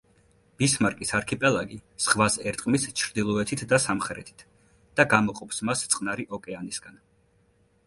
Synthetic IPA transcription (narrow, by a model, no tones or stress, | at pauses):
b̥ismaɾkʼisaɾkʰipʼɛlˠaɡisχvasɛɾt̪ʼqʼmist͡ʃʰɾd̪ilˠɔɛt̪ʰit̪ʰd̪asamχɛɾɛ̰t̪ʰi̥t̪ʰ | d̪̥aɡamɔqʼɔpʰsmast̪sʼqʼnaɾiʔɔkʼɛanisɡ̥an